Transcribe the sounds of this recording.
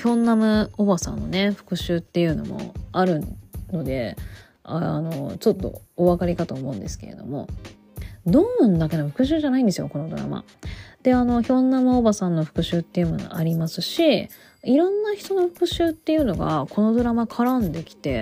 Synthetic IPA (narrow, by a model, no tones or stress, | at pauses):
çõ̞nːamɯobasã̰nːo̞ne̞ɸɯ̟̥kɯ̟ɕɨːt̪ːe̞jɯ̟no̞̰mo̞̰aɾɯ̟no̞d̪e̞ | a̰no̞̰t͡ɕo̞t̪ːo̞̰ːβakaɾʲikat̪oːmõ̞̟nd̪e̞sɨ̥keɾed̪o̞̰mo̞̰ | d̪onãnd̪ake̞noɸɯ̟kɯ̟ɕ̬ɨːʑanaĩnd̪esɨjo̞̰ko̞no̞d̪o̞ɾa̰ma̰ | d̪̥e̞ano̞çõ̞nːamɯ̟obasãnːo̞ɸɯ̟̥kɯ̟ɕɨːt̪ːe̞jɯ̟mon̰aɾʲimasɨɕi | iɾõ̞nːaçi̥t̪o̞no̞ɸɯ̟̥kɯ̟ɕɨːt̪ːe̞jɯ̟no̞ɡa̰ko̞no̞d̪o̞ɾamakʰaɾand̪e̞kʲi̥t̪e̞